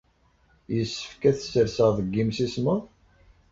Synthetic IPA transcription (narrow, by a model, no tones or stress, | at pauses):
jəsːə̥fkæθəsːəɾsəʁðˤəɡːimsisməʁ